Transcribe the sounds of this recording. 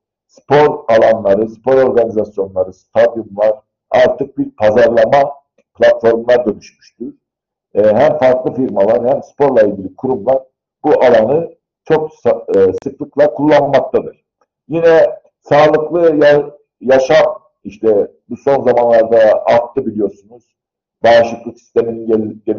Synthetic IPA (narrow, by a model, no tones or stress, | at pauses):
spʰo̞ɾalˠanlˠaɾɯspʰo̞ɾo̞ɾɡanizasjo̞nlˠaɾɯst̪ʰad̪jumlˠaɾ | a̰ɾt̪ʰɯk̚biɾpʰazaɾlˠama | pʰlʲat̪fo̞ɾmlˠaɾd̪ø̞nyʃmy̥ʃt̪y | ɦæmfaɾklˠɯfiɾmalˠaɾhæmspʰo̞ɾlˠailʲɟʲilʲikʰuɾumlˠaɾ | b̥uʔalˠanɯ | t͡ʃʰo̞kssɯklˠɯklˠakʰulˠːanmak̚t̪ʰad̪ɯɾ̥ | jinɛ | saːlˠɯklˠɯj | jaʃam | iʃt̪ʰɛbuso̞nzamanlˠaɾd̪aːt̪ʰːɯbilʲijo̞ɾsunuz̥ | baːʃlɯklˠɯksi̥st̪ʰe̞miniɟe